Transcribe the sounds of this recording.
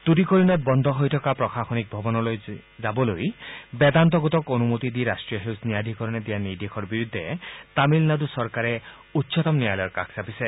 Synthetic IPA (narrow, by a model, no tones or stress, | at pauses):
t̪uɾikoɾinabɔnd̪ʱɔɦojtʰɔkapɾɔxʰaxɔnik̚bʱɔbɔnɔlojzabɔlojbɛd̪ant̪ɔɡɔt̪ɔkonumot̪id̪iɾasʈɾijɔɦewsnijad̪ʱikɔɾɔned̪ijaniɾd̪ekʰɔɾbiɾud̪ʱːet̪amilnad̪usɔɾkaɾe | utːsɔt̪ɔmniajlɔjɔɾka̰kʰsapise